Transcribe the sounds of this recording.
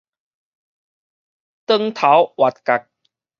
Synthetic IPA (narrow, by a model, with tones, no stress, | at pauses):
t̪ə˦˧ŋt̪ʰa˨˦wwa˨˩t̪̚ka˨˩k̚